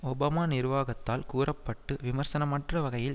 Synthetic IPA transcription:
ɔbɐːmaːnɪɾʋaːɣɐt̪ːaːlkuːrɐpːɐʈːɯʋɪmɐɾsɐnɐmɐʈrɐʋɐɣɐjɪl

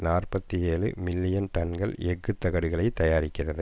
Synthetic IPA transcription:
naːrpɐt̪ːijeːlɯ̰mɪlːɪjɐnt̪ɐnɡɐɭɛɡːɯt̪ːɐɣɐɽɯɣɐɭɐɪt̪ːɐjaːɾɪkːɪrɐðɯ

